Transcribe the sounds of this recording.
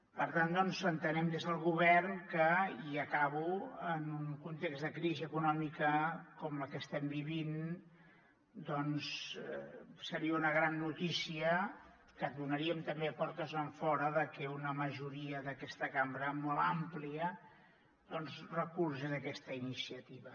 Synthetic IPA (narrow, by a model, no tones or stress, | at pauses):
pəɾt̪and̪ɔnzənt̪ənɛmd̪ezðəlˠɣuβ̞ɛrnkəiəkaβuənuŋkunt̪ekzd̪əkɾiziəkunɔmikəkɔmləkəst̪ɛmbiβin | d̪ɔns | səɾiəunəɣɾanːut̪isiə | kəd̪unəɾiəmt̪əmbepɔɾt̪əzəɱfɔɾəðəkɛunəməʒuɾiəðəkɛst̪əkambɾəmɔlˠa̰mpliə | d̪ɔnzrəkursəðəkɛst̪əinisiət̪iβə